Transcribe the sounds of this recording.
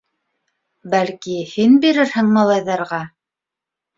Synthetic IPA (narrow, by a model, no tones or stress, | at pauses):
bælkihinbiɾɘɾhɘ̆ŋmɑlˠɑjðɑɾʁɑ